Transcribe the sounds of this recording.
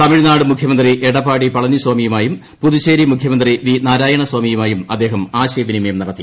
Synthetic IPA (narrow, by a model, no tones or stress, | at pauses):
t̪ɐmiɻnaːɽɨmukʰjɐmɐnd̪riʔeɽɐpːaːɽipɐɭɐniswaːmijumaːjum | puðuɕeːɾimukʰjɐmɐnd̪riʋinaːɾaːjɐɳɐswaːmijumaːjumɐd̪ːe̞ːɦɐmaːɕɐjɐʋinimɐjɐmnɐɽɐt̪ːi